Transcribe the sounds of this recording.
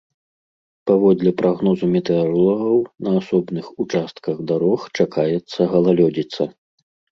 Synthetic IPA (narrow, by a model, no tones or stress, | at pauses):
pavɔd̪lʲɛpɾʔaɣnɔzumʲɛt̪ɛɔɾlˠɔɣɐwnɐasɔbnɨxut͡ʂast̪kɐɣd̪aɾɔxt͡ʂakajɛt̪sːɐɣɐlˠalʲɔd͡zʲit̪sɐ